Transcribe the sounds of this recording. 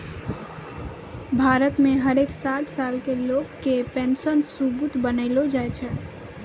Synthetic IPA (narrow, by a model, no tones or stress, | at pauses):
bʱaːɾət̪mẽɦəɾeːksaːʈʰsaːlkeloːɡkːepẽːnsənsubut̪bənəɪlod͡ʒaːet͡ʃʰɛ